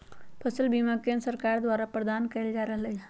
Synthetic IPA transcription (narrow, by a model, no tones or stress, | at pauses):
pʰəsəlbimakensəɾkaɾd̪ʋaɾapɾəd̪ankəld͡ʒaɾəɦlə